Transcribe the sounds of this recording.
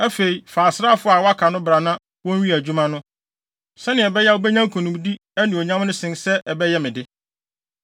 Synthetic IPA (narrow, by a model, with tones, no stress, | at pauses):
æ˦fe˨i˨faː˨sɾa˦˨fʊ˦a˨wa˦kʰa˨nʊ̃˦bɾa˨nã˦ | wɔ̃˦nɥĩ˦æ˨d͡ʑᶣu˦mã˦nʊ̃˦ | sɛ˦nɪ̃˨ɛ˨bɛ˦jɛ˦wo˦bɛ˦ɲã˦kʰõ˨nʊ̃˨m˦di˦ | æ˦nɪ̃˨o˨ɲã˦mnʊ̃˦sɪ̃˨nsɛ˦ʔɛ˨bɛ˦jɛ˦mɪ̃˨dɪ˦